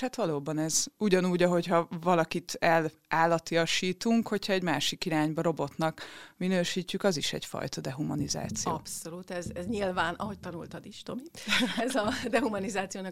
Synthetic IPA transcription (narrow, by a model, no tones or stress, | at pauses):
hat̪ʋɒloːbɒnɛzuɟɒnuːɟɒɦo̞chɒvɒlɒkit̪ɛl | aːlːɒt̪iɒʃiːt̪uŋkho̞cʰhɒɛɟmaːʃikiɾaːɲbɒɾo̞bo̞t̪nɒkminøːʃiːcːykɒziʃɛ̰cfɒ̰jt̪ɒd̪ɛɦumɒ̰niza̰ːt̪sijo̰ːpsolut̪ɛzɛzɲilvaːnʔɒ̰ɦo̞c̚t̪ɒnult̪ɒd̪iʃt̪omiɛzɒd̪ɛɦumɒnizaːt̪sijoːnɒ